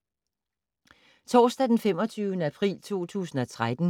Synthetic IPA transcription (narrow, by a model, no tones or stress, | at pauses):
t͡sʰɒːsd̥æd̥enfem̰ɒ̽t͡sʰyːʊnəæpʰʁḭːlt͡sʰo̝̰ːt͡sʰṵːsn̩ɒ̽t͡sʰʁad̥n̩